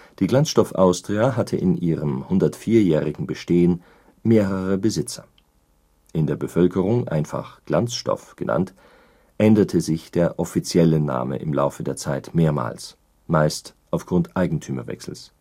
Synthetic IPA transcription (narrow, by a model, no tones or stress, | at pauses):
d̥iːɡlant͡sʃtɔfʔaʊstʁ̥iaɦatʰəʔɪnʔiːʁəmhʊndɐtfiːɐjɛːʁɪɡŋ̩bəʃteːən | meːʁəʁəbəzɪt͡sɐ̥̰ | ʔɪndeːɐbəfœlkəʁʊŋʔa̰ɪnfa̰χɡ̥lant͡sʃtɔ̰fɡ̥ənʔa̰nt | ʔɛndɐtʰəzɪçd̥eːɐʔɔfit͡sjɛləna̰ːmə̰ʔɪmla̰ʊfədeːɐt͡saɪtmeːɐma̰ːls | maɪstʔaʊfɡ̥ʁʊntʔaɪɡŋ̩tʰyːmɐvɛ̰ksl̩s